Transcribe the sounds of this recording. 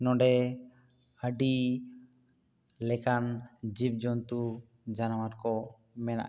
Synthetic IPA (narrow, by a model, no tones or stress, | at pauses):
nɔɖɛ | əɖi | lɛkand͡ʒib̚d͡ʒɔnt̪u | d͡ʒanawaɾkɔ | mɛna̰ʔ